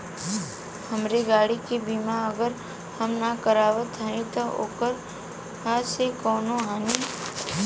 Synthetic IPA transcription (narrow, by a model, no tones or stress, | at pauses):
həmɾeɡaːɽikibimãəɡəɾ | həmnakəɾaːʋət̪ʰɦəẽt̪oo̰ːkəɾ | ɦasekɔːnõɦaːni